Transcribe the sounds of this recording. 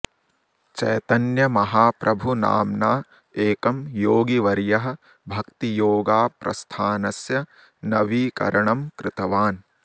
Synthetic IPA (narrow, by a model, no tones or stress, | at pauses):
t͡ʃɐ̰jt̪ɐnjɐmɐɦaːpɾʔɐbʱuna̰ːmnaː | eːkɐmjoːɡiʋɐɾjɐɦɐ̆ | bʱɐkt̪ijoːɡaːpɾɐ̰st̪ʰaːnɐsjɐ | nɐʋiːkɐ̰ɾɐɳɐmkɾɪt̪ɐʋaːn